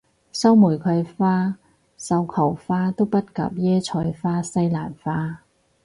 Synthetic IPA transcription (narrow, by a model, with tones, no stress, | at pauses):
sɐ˥wmu˨˩jkʰɐ˨˧jfaː˥ | sɐ˧wkʰɐ˨˩wfaː˥t̪o˥wpɐ˥t̚kɐ̰˨˧p̚jɛː˥t͡ʃʰɔː˧jfaː˥sɐ˥jlaː˨˩nfaː˥